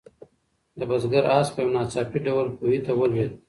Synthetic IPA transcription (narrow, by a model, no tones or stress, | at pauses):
d̪əbazɡaɾɑspəjonɑt͡sɑpiɖawəlpohit̪awəlwed̪